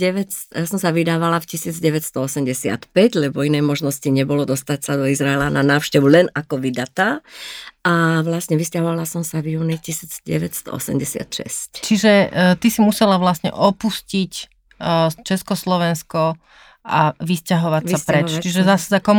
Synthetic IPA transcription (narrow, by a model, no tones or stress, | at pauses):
ɛʋɛsjasɔmsaʋid̪aːʋalafcisiːd͡zɟɛʋɛcst̪ɔɔsɛmɟɛsɪa̰t̪pɛɟlɛbɔinɛjmɔʒnɔsciɲɛbɔlɔd̪ɔst̪acsad̪ɔizɾaɛlananaːʊʃcɛʋulɛnakɔʋid̪at̪a | aʋlasɲɛʋiscaɦɔʋalasɔmsavjuːnicisiːd͡zɟɛ̰ʋɛtst̪ɔ̰ɔ̰sɛ̰mɟɛsɪa̰t̪ʃɛ̰sct͡ʃiʒɛt̪isimusɛlaʋlasɲɛ̰ʔɔpuscic | t͡ʃɛskɔslɔʋɛnskɔ | ʔaʋiscaɦɔʋact͡sːaspɾɛt͡ʃt͡ʃiʒɛzassakɔm